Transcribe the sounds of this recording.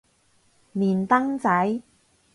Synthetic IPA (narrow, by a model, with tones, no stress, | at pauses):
niː˨˩nt̪ɐ˥ŋt͡sɐ˨˥j